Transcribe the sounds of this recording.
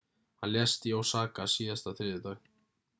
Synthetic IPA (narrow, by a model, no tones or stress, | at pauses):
hanljɛst̪jawsaːkasiːðast̪aθɾɪːðɪt̪ax